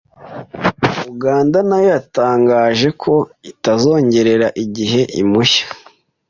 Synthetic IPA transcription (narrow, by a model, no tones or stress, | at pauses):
uɡaːndanajataːŋɡaːʒe̞kʰo̞itazo̞ːɲɟe̞ɾe̞ɾaʔiɟiɦe̞ʔimuçḁ